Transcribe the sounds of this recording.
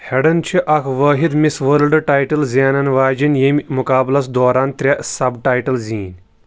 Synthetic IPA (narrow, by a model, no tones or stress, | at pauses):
hɛɖɐnt͡ʃʰiʔɐkʰʋɐːɦid̪misʋəːɾlɖɨʈajʈɐlzʲaːnɐnʋaːd͡ʒinʲjemʲmʊkaːblɐsd̪oːɾaːnt̪ɾʲeʔsɐbʈɐjʈɐlziːnʲ